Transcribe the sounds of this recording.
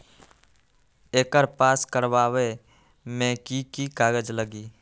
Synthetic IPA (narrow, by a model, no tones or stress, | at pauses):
eːkəɾpaːskəɾwaːwe | mɛ̃kikikaːɡəd͡ʒləɡiː